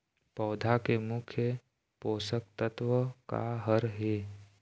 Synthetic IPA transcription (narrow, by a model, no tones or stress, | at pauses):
pɔːd̪ʱakemʊkʰjə | poːsək̚t̪ət̪ʋəka̰ɦəɾɦe